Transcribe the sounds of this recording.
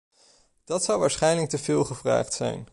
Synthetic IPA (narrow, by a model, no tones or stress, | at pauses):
d̥ɑtsɑwʋaːɹsχɛjnlək̚təvɪːlˠχəvra̰ːχtsɛ̰jn